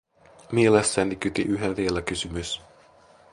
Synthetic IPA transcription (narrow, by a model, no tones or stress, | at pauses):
mielesːænikyt̪ḭʔyɦeʋielækysymys